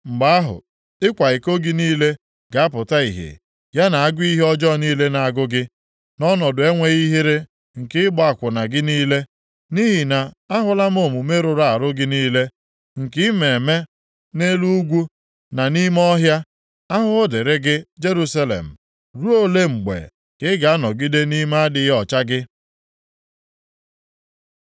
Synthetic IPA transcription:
ŋ͡m̩˨ɡ͡ba˦a˦ɦʊ̰˨ | ɪ˦kʷa˨ɪ˨ko˦ɡɪ˦niː˦le˦ | ɡ̥a˨a˦pʊ˨ta˦ḭ˨ɦḛ˨ | ja˦na˨a˦ɡʊ˦i˦ɦe˦ɔ˦d͡ʒɔ˦˨niː˦le˦na˨a˨ɡʊ˦ɡɪ˦ | nɔ˦nɔ˨dʊ˨e˦ŋʷe˨ɣi˦ɦi˦ɾɪ˦ | ŋ̩˨kɪ˦ɪ˦bɔ˦a˨kʷʊ˨na˨ɡɪ˦niː˦le˦ | ni˦ɦɪ˨na˨ | a˦ɦʊ˦la˦m˦o˨mu˨me˦ɾʊ˨ɾa˨a˨ɾʊ˦ɡɪ˦niː˦le˦ | ŋ̩˨kɪ˦me˨e˨me˦ | ne˦lu˦ɡʷu˦ | na˨ni˦m˦ɔ˦ɦja˦ | a˦ɦʊ˦de˨ɾe˦ɡɪ˦d͡ʒe˦ɾu˦sa˦lḛ˨m̩˨ | ɾu˦o˦le˦ŋ͡m̩˨ɡ͡bḛ˨ | kɪ˦ɡa˨a˦nɔ˨ɡi˦de˦ni˦ma˦dɪ˦ɦɔ˨t͡ʃa˦ɡɪ˦

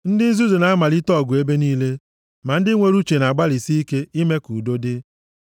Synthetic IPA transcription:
n̩˦dɪ˦n̩˦zu˦zu˨na˨a˦ma˨li˦tɔ˦˨ɡu˨e˦be˦niː˦le˦ | ma˨n̩˦dɪ˦ŋʷe˨ɾu˦t͡ʃe˨na˨ɡ͡ba˦li˨si˦i˦ke˦i˦me˦ku˨do˦dɪ˦

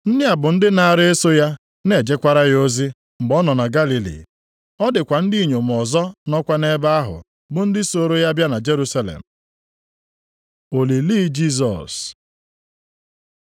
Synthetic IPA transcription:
n̩˦nɪ˦a˨bʊ˨n̩˦dɪ˦na˦˨a˦˨ɾɪ˦e˦so˦ja˦ | ne˨d͡ʒe˦kʷa˦ɾa˦ɣo˦zi˦ | ŋ͡m̩˨ɡ͡bɔ˦nɔ˨na˨ɡa˦li˨lḭ˨ | ɔ˦dɪ˨kʷa˨n̩˦di˦i˨ɲo˨m̩˨ɔ˨zɔ˦nɔ˦kʷa˦ne˦ba˦a˦ɦʊ̰˨ | bʊ˨n̩˦dɪ˦so˨ɾo˦ja˦bja˦na˨d͡ʒe˦ɾu˦sa˦lḛ˨m̩˨ | o˨li˨li˦d͡ʒi˦s̬ɔ̰˨s

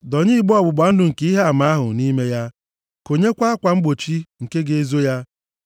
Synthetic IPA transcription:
dɔ˨ɲɪ˦i˦ɡ͡bɔ˨bʊ˨ɡ͡ba˨˦n̩˦dʊ˨ŋ̩˨ke˦i˦ɦe˦a˨ma˨a˦ɦʊ̰˨ni˦me˦ja˦ | ko˨ɲe˦kʷa˦a˦kʷa˨ŋ͡m̩˦ɡ͡bo˨t͡ʃi˦ŋ̩˨ke˦ɡe˨e˨zo˦ja˦

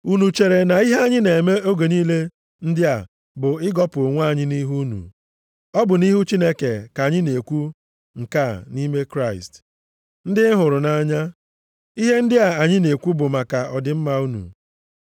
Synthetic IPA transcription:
u˦nu˨t͡ʃe˨ɾe˨na˨i˦ɦe˦a˦ɲɪ˦ne˨me˦o˦ɡe˨niː˦le˦ | n̩˦dɪ˦a˨ | bʊ˨ɪ˦ɡɔ˦pʊ˨o˨ŋʷ˦a˦˨ɲɪ˦ni˦ɦu˦nṵ˨ | ɔ˦bʊ˨ni˦ɦu˦t͡ʃi˦ne˦ke˨ka˨ɲɪ˦ne˨kʷu˦ | ŋ̩˨ka˦˨ni˦me˦kɾa˦˨ɪ̰˨st | n̩˦dɪ˦ɦʊ˨ɾʊ˨na˨ɲa˦ | i˦ɦe˦n̩˦dɪ˦a˨a˨ɲɪ˦ne˨kʷu˦bʊ˨ma˨ka˨ɔ˨dɪ˨m̩˦ma˨u˦nṵ˨

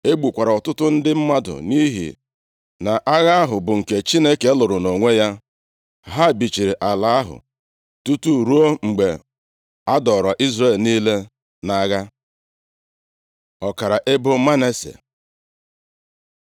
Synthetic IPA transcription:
e˦ɡ͡bu˨kʷa˨ɾa˨ɔ˨tʊ˦tʊ˦n̩˦dɪ˦m̩˦ma˦dʊ̰˨ni˦ɦḭ˨ | na˨ʔa˦ɣa˦a˦ɦʊ˨bʊ˨ŋ̩˨ke˨t͡ʃi˦ne˦ke˨˦lʊ˨ɾʊ˨no˨ŋʷe˦ja˦ | ɦa˦˨bi˨t͡ʃi˨ɾi˨ʔa˨la˦a˦ɦʊ̰˨ | tu˦tu˦˨ɾu˦o˦ŋ͡m̩˨ɡ͡be˨ | a˦dɔ˨ɾɔ˨ʔi˦zɾe˦˨lniː˦le˦ | na˨˦˨ɣa˦ | ɔ˨ka˨ɾa˨ʔe˦bʊ˦ma˦ne˦sḛ˨

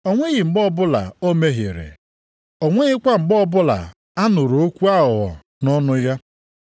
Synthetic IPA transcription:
o˨ŋʷe˦ɣɪ˨ŋ͡m̩˨ɡ͡bɔ˦bʊ˦la̰˨o˦me˦ɦɪ˨ɾḛ˨ | o˨ŋʷe˦ɣɪ˦kʷa˦ŋ͡m̩˨ɡ͡bɔ˦bʊ˦la̰˨ | a˦nʊ˨ɾo˦kʷu˦a˦ɦʊ˨ɦɔ̰˨ | nɔ˦nʊ˦ja˦

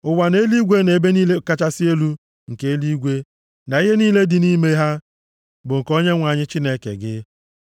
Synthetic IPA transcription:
ʊ˨wa˨ne˦li˦ɡʷe˦ne˨be˦niː˦le˦ka˦t͡ʃa˦sɪ˦e˦lu˦ | ŋ̩˨ke˦e˦li˦ɡʷe˦ | na˨i˦ɦe˦niː˦le˦dɪ˨ni˦me˦ɦa˦ | bʊ˨ŋ̩˨ko˦ɲe˦ŋʷa˨ɲɪ˦t͡ʃi˦ne˦kḛ˨ɡɪ̰˦

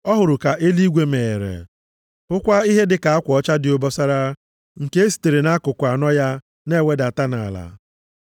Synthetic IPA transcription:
ɔ˦ɦʊ˨ɾʊ˨ka˨ʔe˦li˦ɡʷe˦me˨ɾḛ˨ | ʊ˦kʷa˦i˦ɦe˦dɪ˨ka˨a˦kʷɔ˦t͡ʃa˦dɪ˨o˦bɔ˦sa˦ɾa˦ | ŋ̩˨ke˦e˦si̥˨te˨ɾe˨na˦kʊ˨kʷa˨nɔ˦ja˦ | ne˦˨we˦da˨ta˦na˨la̰˨

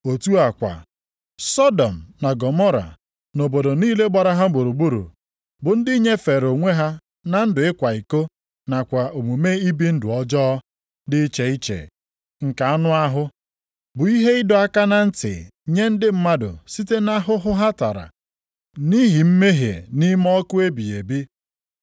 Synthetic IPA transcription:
o˨tu˦a˨kʷa̰˨ | sɔ˦dɔ˨m̩˨na˨ɡɔ˨mɔ˦ɾa̰˨ | no˨bo˨do˨niː˦le˦ɡ͡ba˨ɾa˦ɦa˦ɡ͡bo˨ɾu˨ɡ͡bu˦ɾṵ˨ | bʊ˨n̩˦dɪ˦ɲe˦fe˨ɾo˨ŋʷe˦ɦa˦ | na˨n̩˦dʊ˨ɪ˦kʷa˨i˨ko˦ | na˨kʷa˨ʔo˨mu˨me˦i˦bi˦n̩˦dʊ˨ɔ˦d͡ʒɔ˦ | dɪ˦t͡ʃe˨i˦t͡ʃḛ˨ | ŋ̩˨ka˨a˦nʊ˦a˦ɦʊ˦ | bʊ˨i˦ɦe˦ɪ˦dɔ˨a˦ka˦na˨n̩˦tɪ̰˨ɲe˦n̩˦dɪ˦m̩˦ma˦dʊ̰˨si˦te˦na˦ɦʊ˦ɦʊ˦ɦa˦ta˨ɾa̰˨ | ni˦ɦi˨m̩˦me˦ɦjḛ˨ni˦mɔ˦kʊ˦e˦bi˨e˨bi˦

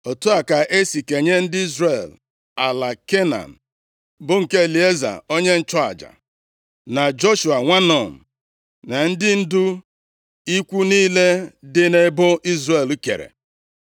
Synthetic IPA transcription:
o˨tu˦a˨ka˨ʔe˦si˨ke˨ɲe˦n̩˦dɪ˦i˦zre˨l | a˨la˨ke˦na̰˨n̩˨ | bʊ˦ŋ̩˨ke˦e˨li˨e˦za̰˨o˦ɲe˦n̩˦t͡ʃɔ˦a̰˨d͡ʒa̰˨ | na˨d͡ʒo˦ʃu˨a˨ŋʷa˦nɔ˨m̩˨ | na˨n̩˦dɪ˦n̩˦du˦ | i˦kʷu˦niː˦le˦dɪ˦ne˦bʊ˦i˦zre˨lu˦kḛ˨ɾḛ˨

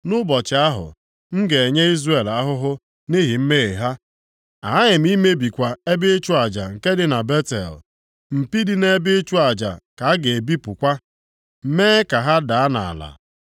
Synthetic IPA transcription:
nʊ˦bɔ˨t͡ʃɪ˨a˦ɦʊ̰˨ | ŋ̩˦ɡe˨e˨ɲe˦i˦zre˨la˦ɦʊ˦ɦʊ˦ | ni˦ɦi˨m̩˦me˦e˨ɦa˦ | a̰˨a˦ɲɪ˨m̩˦i˦me˦bi˨kʷa˨e˦bɪ˦t͡ʃu˦a˨d͡ʒa˨ŋ̩˨ke˦dɪ˦na˨be˦tḛ˨l | m̩˨pi˦di˦ne˦bɪ˦t͡ʃu˦a˨d͡ʒa̰˨ka˨a˦ɡe˨e˨bi˦pʊ˨kʷa˦ | m̩˨meː˦ka˨ɦa˦da˨a˦na̰˨a̰˨la̰˨

